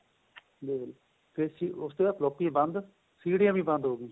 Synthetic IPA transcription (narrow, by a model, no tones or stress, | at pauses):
d̪eːl | pʰesiʊst̪eːəplɔːpːĩːbə̃nd̪ | siːɽjãːbĩːbə̃nd̪ɦoːɡiː